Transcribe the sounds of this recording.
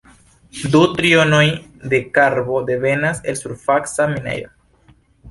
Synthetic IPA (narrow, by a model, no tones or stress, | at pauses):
dutɾio̞no̞jde̞kaɾbo̞de̞ve̞nase̞lsuɾfaksaminḛjɾo